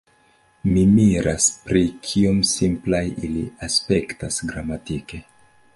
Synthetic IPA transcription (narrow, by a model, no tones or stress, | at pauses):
mimiɾʔaspɾikʰiomsimplajiliaspe̞ktasɡɾamatike̞